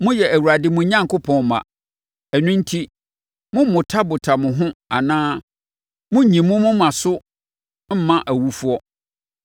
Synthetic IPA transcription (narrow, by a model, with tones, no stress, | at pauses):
mʊ̃˦jɛ˨æ˨wu˨ɾa˨dɪ˦mʊ̃˨˦ɲã˦ŋkʰʊ˦pʰɔ̃˨n˨mã̰˨ | ɛ˨nʊ̃˦n̩˦tʰi˦ | mʊ̃˦mʊ̃˨tʰa˦bʊ˨tʰa˨mʊ̃˨ɦʊ̃˦a˨nãː˦ | mʊ̃˦˨ɲĩ˨mʊ̃˦mʊ̃˦mã˨sʊ˦ | m̩˦mã˦ʔæ˨wu˦fu˦ɔ˦